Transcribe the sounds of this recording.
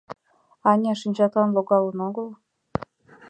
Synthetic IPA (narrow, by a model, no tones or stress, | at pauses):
ɑnʲɑʃinʲd͡ʑɑkɑnloɡɑlˠɤ̆noɡɤlˠ